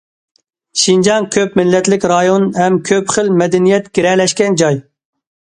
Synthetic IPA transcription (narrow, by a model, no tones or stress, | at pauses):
ʃind͡ʒɑŋkʲʰøpmɪlːɛt̪lɪkʲɾɑjonhɛmkʲʰøpχəlmɛd̪ɛnijɛt̪ɡ̥ʲiɾɛlɛʃkʲɛnd͡ʒɑj